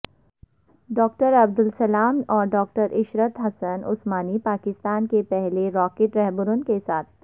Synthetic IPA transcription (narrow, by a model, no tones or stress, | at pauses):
ɖɔːkʈəɾɐb̚d̪ʊlsɐlaːmɔːɾɖɔːk̚ʈəɾʔɪʃɾət̪ɦɐsənʊ̰smaːnipaːkɪst̪aːnkepɛɦleɾɔːkeːʈɾɛɦbʊɾʊnkesaːt̪ʰ